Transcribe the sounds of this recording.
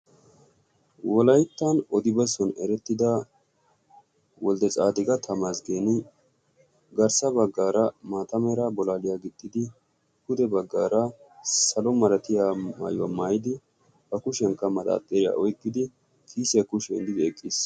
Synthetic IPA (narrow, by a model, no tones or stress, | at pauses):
wɔlɐjt̪ːɐnɔd̪ɪbɐsɔnɛɾɛt̪ːɪd̪a | wɔld̪ɛt͡sʼa̰ːd̪ɪɡɐt̪ʰɐmaːsɡeːnɪ | ɡɐɾsɐbɐɡːaːɾɐmaːt̪ɐmɛɾɐbɔlaːlɪjaːɡɪd̪̥ʼːɪd̪ɪ | kʊd̪ɛbɐɡːaːɾɐ | sɐlɔmɐɾɐt̪ɪjama̰ːjʊwa̰maːjɪd̪ɪ | bɐkʊʃɛŋkːɐmɐd̪a̰ːt̪ʼːɛɾɪja̰ʔɔjkʼːɪd̪ɪ | kʰiːsɪjɐkʊʃɛ̰nd̪ɪd̪ɛkʼːis